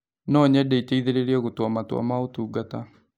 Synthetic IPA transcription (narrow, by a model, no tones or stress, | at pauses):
nɔɲɛdɛiteiðeɾeɾeɛɣotwɔmatwa̰maotuːɡata